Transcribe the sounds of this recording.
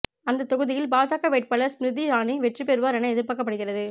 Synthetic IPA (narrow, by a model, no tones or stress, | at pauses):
ɐnd̪ɐt̪ːɔɣɯðɪjɪlbaːsaːkːɐʋeːʈ̚pɐɭɐsɾɪðiɾaːɳiʋɛʈripɛɾɯʋaːɾɐnɐɛðɪɾpɐkːɐpːɐɽɯɣɪrɐðɯ